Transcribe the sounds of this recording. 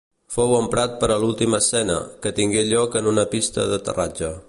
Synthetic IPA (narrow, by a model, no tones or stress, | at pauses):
fowəmpɾat̪̚pəɾəlulˠt̪iməsɛnə̰kət̪iŋɡeʎɔkənunəpist̪ə̰ðət̪ə̰rad͡ʒə